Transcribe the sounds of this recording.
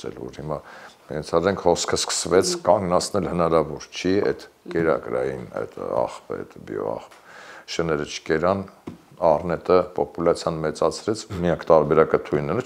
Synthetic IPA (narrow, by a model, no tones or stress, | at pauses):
ɛ̰lvɔ̰ɾhimɑɛnt͡sʰɑɾɛŋkʰhɔskʰəskʰə̥svɛt͡sʰkɑŋɡnɑt͡sʰnɛlhənɑɾɑvɔɾt͡ʃʰiɛ̰t̪kɛɾɑ̰kɾɑjinɛ̰t̪ʰɑ̰χpə̰ɛ̰t̪bj̰ɔ̰ɑ̰χpʃənɛɾət͡ʃʰkɛɾɑn | ɑrnɛt̪əpɔpulɑt͡sʰjɑnmɛt͡sɑt͡sʰɾɛt͡sʰmijɑkʰt̪ɑɾbɛɾɑkət̪ʰujnɛnu